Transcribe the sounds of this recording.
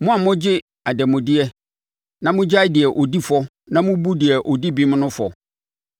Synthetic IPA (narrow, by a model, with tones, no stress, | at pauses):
mʊ̃˦a˨mʊ̃˦d͡ʑɪ˦ | a˨dɛ˨mʊ̃˨dɪ˦ɛ˦ | nã˦mʊ̃˦d͡ʑa˦ɪ˦dɪ˨ɛ˨ʔo˨di˦fɔ˦ | nã˦mʊ̃˦bu˦dɪ˨ɛ˨ʔo˨di˦bi˦m̃˦nʊ̃˦fɔ˨